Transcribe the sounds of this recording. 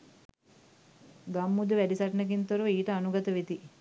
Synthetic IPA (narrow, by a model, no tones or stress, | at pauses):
ɡɐmːud̪uʋæɖisɐʈnek̬int̪oɾuiːʈɐːnuɡɐt̪ɐʋit̪i